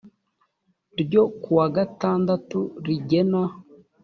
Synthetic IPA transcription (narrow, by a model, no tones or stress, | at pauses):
ɾɟo̞kuwaɡataːndatuɾiɟe̞na